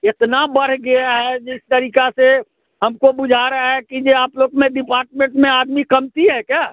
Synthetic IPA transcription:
ɪt̪nabəɾ̤ɡɪaɦɛd͡ʒɪst̪əɾiːkase | ɦɐmkobʊd͡ʒʱaɾɐaɦɛkid͡ʒeaːploːɡmẽɖɪpaːɾʈmẽɳʈmẽaːd̪mikɐmt̪iɦɛkjaː

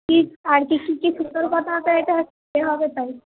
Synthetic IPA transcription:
kiaɾkikikiʃuoɾkɔt̪at̪aeʈa | eɦɔbet̪aj

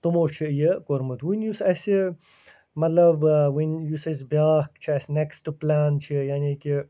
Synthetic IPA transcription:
t̪umot͡ʃʰijəkoɾmɨt̪wunjusɐsi | mɐt̪lɐbwinjusɐsbʲjaːkt͡ʃʰiɐsneksʈuplaːnt͡ʃʰijaːniki

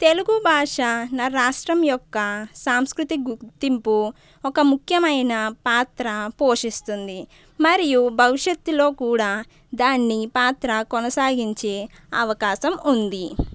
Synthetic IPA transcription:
t̪e̞luɡubʱaːʂɐnɐɾaːʂʈɾɐmjɔkːɐsaːmskɾut̪iɡut̪ːimpu | ɔkɐmukʰjɐmɐjnɐpaːt̪ɾɐpo̞ːʂist̪und̪i | mɐɾijubʱɐʋiʂɐt̪ːulo̞ːkuːɽaː | d̪aːnːipaːt̪ɾɐkɔnɐsaːɡiɲt͡ʃe̞ː | ɐʋɐkaːʃɐmund̪i

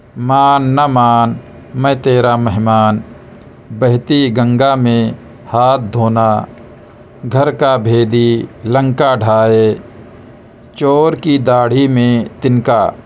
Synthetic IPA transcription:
maːnːamaːn | mə̃t̪eːɾaməɦmaːn | bəɦt̪iɡə̃ŋɡamẽ | haːt̪̚ʰd̪ʱoːnaː | ɡʱəɾkabʱeːd̪ilə̃ŋkaɖʱaːe | t͡ʃoːɾkid̪aːɽ̤imẽt̪ɪnkaː

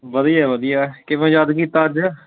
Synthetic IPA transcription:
ʋəd̪iaːʋəd̪ijaːkɪʋẽːd͡ʒad̪kiːt̪ːaːd͡ʒ

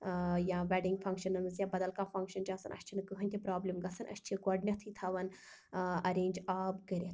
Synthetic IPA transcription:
jãːʋʲɛːɖiŋɡfʰɐŋkʃɐnɐnmɐzjãːbɐd̪ɐlkãːfɐŋkʃɐnt͡ʃaːsɐnʔɐ̰ʃʲt͡ʃʰinɨkɨɦɐnʲt̪ʲʰipɾaːblimɡɐsɐnʔɐ̰ʃt͡ʃʰiɡɐɖnʲɐt̪ʰit̪ʰɐʋɐn | ɐɾẽːnʲd͡ʒaːbɡɐɾʲet̪ʰ

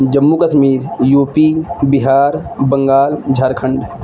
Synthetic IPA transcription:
d͡ʒɐmːukɐʃmiːɾjuːpibɪɦaːɾ | bɐ̃ŋɡaːld͡ʒʱaɾkʰə̃ɳɖ

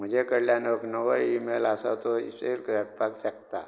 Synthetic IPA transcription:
m̤əd͡ʑekəɽljanoknəʋəimelasat̪oḭselkɾəʈ̚paksək̚t̪a

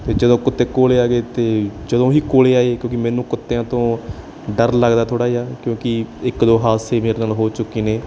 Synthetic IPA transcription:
t̪eːd͡ʒəd̪õːkʊt̪ːeːkoːleːaːɡeːt̪eːd͡ʒəd̪õːɦiːkoːleːaːeːkjõːkɪmɛ̃ːnũːkʊt̪ːeãːt̪õː | ɖəɾləɡd̪aːt̪ʰoːɽaːiaːkjõːkɪɪkd̪oːɦaːseːmeːɾeːnaːlɦoːt͡ʃʊkːiːneː

